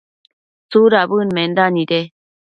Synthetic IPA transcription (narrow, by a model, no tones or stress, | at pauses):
t͡suɾabɯnmend̪anid̪e